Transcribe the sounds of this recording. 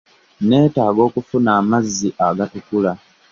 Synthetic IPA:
ne̞ːtaːɡo̞ːkufunaːmazːiʔaɡatukula

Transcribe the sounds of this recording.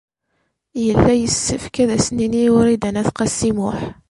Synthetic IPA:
jəlːæjəsːəfkæðæsniniʊɾid̪ænæθqɑsːimʊħ

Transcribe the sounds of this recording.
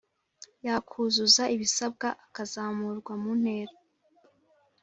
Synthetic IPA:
jakʰuzuzaʔiβisab̚ɡaʔakazaːmuɾɡwamun̥heːɾa

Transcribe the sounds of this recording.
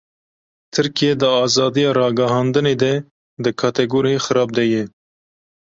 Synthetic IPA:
t̪ʰɨɾkijɛd̪ɨɑːzɑːd̪ijɑːɾɑːɡɐɦɑːnd̪ɨneːd̪ɛ | d̪ɨkʰɑːt̪ɛɡoːɾijexɨɾɑːb̚d̪ɛjɛ

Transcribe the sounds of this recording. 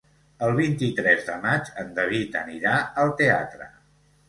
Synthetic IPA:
əlˠβ̞int̪it̪ɾɛzðəmad͡ʒənd̪əβit̪əniɾaəlˠt̪ea̰t̪ɾə̰

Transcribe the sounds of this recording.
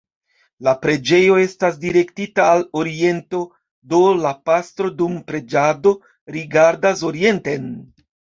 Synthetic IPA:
lapɾe̞d͡ʒe̞jo̞e̞stas̬diɾe̞ktitaːlo̞ɾie̞nto̞ | do̞lapastɾo̞dumpɾe̞d͡ʒado̞ | ɾiɡaɾdas̬o̞ɾie̞nte̞n

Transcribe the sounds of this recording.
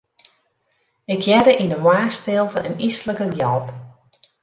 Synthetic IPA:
ɪkjɛdəʔinəwaːstɪlˠtəʔənisləkəɡjɔlˠp

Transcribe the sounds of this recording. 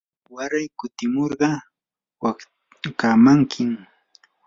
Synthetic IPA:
waɾajkʊt̪ɪmoɾɢɑ | wa | kaːmaŋkʰɪm

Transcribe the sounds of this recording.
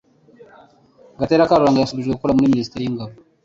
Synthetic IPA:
ɡateɾakaɾuɾaːŋɡajasuβiʒɡwekukoɾamuɾiminisi̥teɾijiŋɡaβo

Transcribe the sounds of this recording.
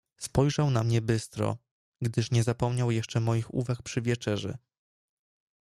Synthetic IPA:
spɔjʐawnamɲɛbɘst̪ɾɔ̰ | ɡd̪ɘʂɲɛzapɔmɲawjɛʂt͡ʂɛmɔjixṵvakpʂɘvʲjɛt͡ʂɛʐɛ̰

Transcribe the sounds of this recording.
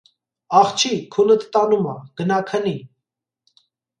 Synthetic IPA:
ɑχt͡ʃʰikʰunət̪ʰt̪ɑnumɑ̰ɡ̥ənɑkʰəni

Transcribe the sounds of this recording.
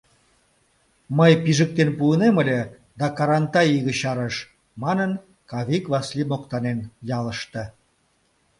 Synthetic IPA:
məjpiʒək̚t̪enpuːneməlʲe | d̪ɑkɑɾɑnt̪ɑjiɣə̆ɕɑɾəʃ | mɑnən | kɑβikβɑslimokt̪ɑnenjɑləʃt̪ə̆

